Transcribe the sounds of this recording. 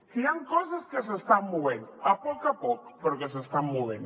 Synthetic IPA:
kiaŋkɔsaskes̬est̪amːuβenapɔkapɔk̚peɾokes̬est̪ammuβen

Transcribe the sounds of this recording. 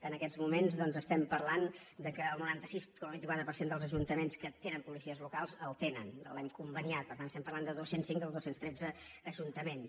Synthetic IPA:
ənəkɛzmumenzðɔnzəst̪ɛmpərland̪əkəːlˠnuɾant̪əsiskɔməβint̪ikwat̪ɾəpəɾsend̪əlˠzəʒunt̪əmenskət̪enəmpulisiəzlukalˠzəlˠt̪enə̰nə̰lɛmkumbəniat̪̚pəɾt̪antəst̪ɛmpəɾrlˠand̪əðosensiŋkd̪əlˠðosenst̪ɾɛd͡zəːʒunt̪əmens

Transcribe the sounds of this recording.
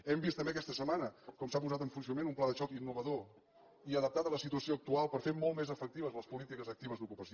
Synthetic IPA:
ɛmbist̪əmbeək̬ɛst̪əsəmanəkɔmsapuzat̪əɱfunsjunəmenumplaðəʃɔkinːuβ̞əðo | iəðəp̚t̪at̪ələsit̪uəsioək̚t̪ualˠpəɾfeɾmɔlˠt̪mezəfək̚t̪iβ̞əzləspulit̪ikəzək̚t̪iβ̞əzðukupəs

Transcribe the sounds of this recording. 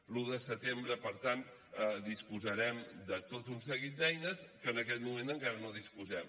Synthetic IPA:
luðəsət̪embɾəpəɾt̪ant̪ | əd̪ispuzəɾɛmd̪ət̪ot̪unsəɣit̪̚d̪ɛjnəskəːnəkɛt̪mumenəŋkaɾənoðispuzɛm

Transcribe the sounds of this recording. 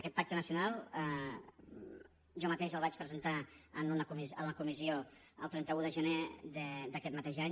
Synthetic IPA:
əkɛt̪pak̚t̪ənəsiunalˠə | ʒɔmət̪eʃəlˠβat͡ʃpɾəzənt̪aənunəkumizələkumizio | əlˠt̪ɾɛnt̪əuðəʒəned̪əd̪əkɛt̪mət̪eʒaɲ

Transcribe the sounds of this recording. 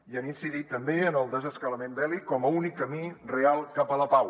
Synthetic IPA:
iəninsiðit̪ːəmbeənəlˠd̪əzəskələmembɛlikɔməunikːəmirealˠkapələpaw

